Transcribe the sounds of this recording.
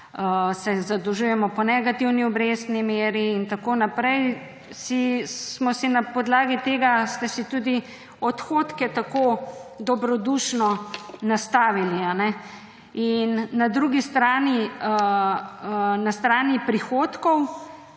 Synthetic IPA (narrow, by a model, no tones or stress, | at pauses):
əsɛzad̪ɔʒujɛmɔpɔnɛɡat̪iwniɔbɾeːst̪nimeːɾiːnt̪akonapɾɛj | sissmɔsinapɔd̪laːɡit̪eːɡast̪ɛsit̪uːd̪i | ɔt̪xoːt̪kɛt̪akod̪ɔbɾɔd̪uʃnɔnast̪aːʋilianɛ | inːad̪ɾuɡist̪ɾaːniə | ənast̪ɾaːnipɾixoːt̪kɔw